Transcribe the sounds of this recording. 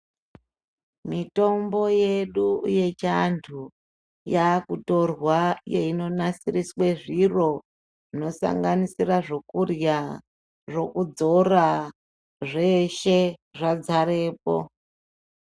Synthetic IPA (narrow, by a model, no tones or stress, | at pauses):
mito̞mbo̞je̞ɗuuje̞t͡ʃantʰu | jakuto̞rwajeino̞nasirisweʐiro̞ | ino̞sa̰ŋɡanisiraʐo̞kurja | ʐo̞kud͡zo̞ra | ʐe̞ʃe̞ʐad͡zaɾe̞ːpo̰